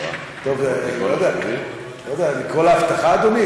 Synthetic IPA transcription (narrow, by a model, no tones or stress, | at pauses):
t̪ovlod̪ɛak | lod̪ɛazekolaːft̪aχaːd̪omi